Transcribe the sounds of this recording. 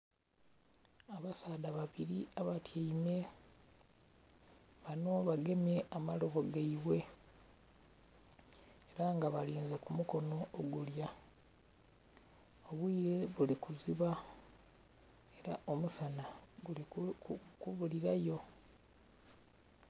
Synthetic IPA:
aβasaːdaβaβiɾiaβatjaime̞ | βano̞βaɡe̞mje̞ʔamaloɣoɡaiwe̞ | eɾaŋɡaβaliːnzekumuko̞no̞ːɡulja | oβwiːɾe̞βulikuziβa | e̞ɾaʔo̞musana | kuβuliɾajo̞

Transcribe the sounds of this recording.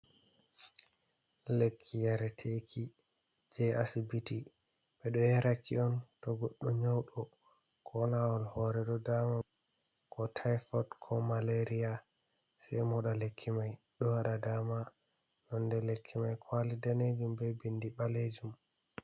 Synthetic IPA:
lekʰːijaɾɛtʰekʰi | d͡ʒɛasibiti | ɓɛɗɔjaɾakʰiɔntɔɡoɗːuɲawɗɔ | kʰɔnawɔlhɔɾɛdɔdama | kʰɔtʰajfɔtkʰɔmaleɾija | sɛjmɔɗalekʰːimaj | ɗɔhaɗadama | nɔndɛlekʰːimajkʰwalidaned͡ʒumbɛbindiɓaled͡ʒum

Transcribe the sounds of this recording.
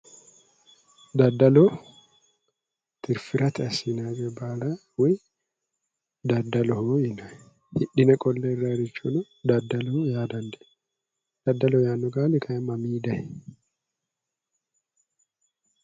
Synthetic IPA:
d̪ɐd̪ːɐlɔ | t̪ʰɪɾfɪɾʔɐt̪ɪɐsinaɡɛbaːla | wɔj | d̪ɐd̪ːɐlɔhɔjɪnɐ | hɪɗːɪnɐkʼɔlːɛraɾɪt͡ʃːɔnɔ | d̪ɐd̪ːɐlɔhɔjaːd̪ɐnd̪ɛ | d̪̥ɐd̪ːɐlɔjaːnːɔɡaːlɪkʰɐɛmɐmiːd̪ɐh

